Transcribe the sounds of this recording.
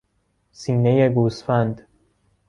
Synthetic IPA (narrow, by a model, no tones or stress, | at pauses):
siːneje̞ɡuːsfænd̪